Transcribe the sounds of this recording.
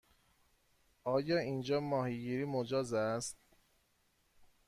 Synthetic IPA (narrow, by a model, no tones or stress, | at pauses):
ʔɒːjɒːind͡ʒɒːmɒːhiɡiːɾiːmod͡ʒɒːzæst̪